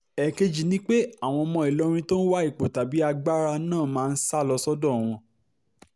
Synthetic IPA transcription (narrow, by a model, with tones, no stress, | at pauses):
ɛ˨ke˧d͡ʒi˨nĩ˦k͡pe˦a˦˨w̃ɔ̃˧mɔ̃˧i˨lɔ˨˦ɾ̃ĩ˧to˦n̩˦wa˦i˦˨k͡po˨ta˨bi˨˦a˧ɡ͡ba˦ɾa˧nãː˦˨mãː˦˧n̩˦sa˦˨lɔ˧sɔ˦dɔ̃˦˨w̃ɔ̃˧